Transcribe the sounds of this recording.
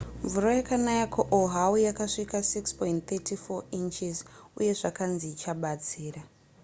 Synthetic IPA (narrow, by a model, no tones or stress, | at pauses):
ɱvuro̞jakanajakʰoʔoɦawujakaʂikasikspojntt̪etifoint͡ʃizṵje̞ʐakanziːt͡ʃaɓat͡siːra